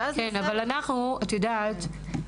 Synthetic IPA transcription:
kenavalanaχnuat̪jodat̪

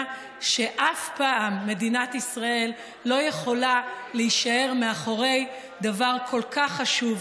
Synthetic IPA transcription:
ʃe̞ʔafpaːmːe̞dinat̪isʁae̞lː | o̞je̞χo̞laleiʃae̞ʁmeaχoʁe̞j | d̪avaʁkʰo̞lkaχːaʃuv

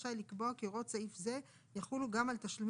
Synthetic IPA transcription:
ʃajlikboakeʁo̞t͡saifze̞ | jaχuluɡamalt̪aʃlem

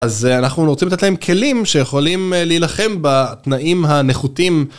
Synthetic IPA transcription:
azanaχnunʁt͡simlat̪etlae̞mkʰe̞limʃejeχolimleilaχe̞mbat̪naʔimɦaneχut̪im

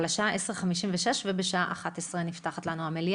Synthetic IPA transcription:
laʃaaʔeseʁχamiʃimveʃeʃvebeʃaaʔaχat̪esʁenift̪aχat̪lanuamelj

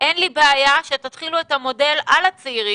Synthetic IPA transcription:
ʔenlibeajaʃetat̪χiluethamo̞de̞lalat͡seiʁi

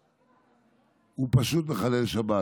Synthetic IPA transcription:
upaʃut̪meχalelʃaba

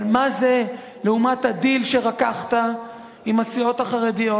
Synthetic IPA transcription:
maze | leumathadilʃe̞ʁakaχt̪a | imasio̞taχaʁedijo

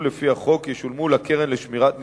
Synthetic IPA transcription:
lefihaχo̞kjeʃulmulakeʁenleʃmiʁat̪n

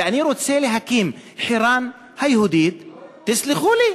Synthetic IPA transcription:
aʕniɾut̪seːliɦakiːmħiɾɑːn | hajhʊd̪iːd̪̚t̪ɪslɪxuːli

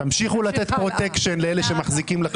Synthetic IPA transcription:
tamʃiχulat̪e̞t̪pʁo̞t̪ekʃenleele̞ʃemaχzikimle

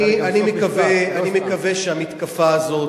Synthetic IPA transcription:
ianimekaveanimekɐveʃeamit̪kafaːzo̞t

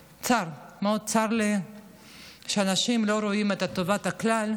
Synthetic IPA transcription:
t͡saɾmod̚t͡saɾle | ʃeanaʃimlo̞ɾoimet̪at̪ovat̪aklal

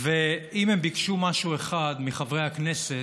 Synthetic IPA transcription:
veimembikʃumaʃueχad̪miχavʁejhaknese

